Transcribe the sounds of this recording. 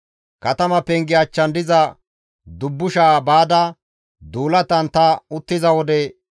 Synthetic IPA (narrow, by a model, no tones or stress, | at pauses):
kɐt̪ɐmɐpɛŋɡɪɐt͡ʃːɐnd̪ɪzɐ | d̪ʊbːʊʃaːbaːd̪ɐ | d̪uːlɐt̪ɐnt̪ɐʊt̪ːɪzɐwɔd̪ɛ